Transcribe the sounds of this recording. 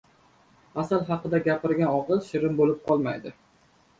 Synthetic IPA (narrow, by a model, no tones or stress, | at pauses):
asalˠɦɑqɨd̪aɡʲapʰɪɾɡʲanɒʁɨlˠʃɪɾɪmbolɪp̚qʰɒlˠmajd̪ɪ